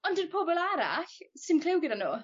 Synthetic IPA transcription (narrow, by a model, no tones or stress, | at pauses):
ɔndənpʰɔbɔlˠaɾa̰ɬsɪnkʰlɪwɡədanuː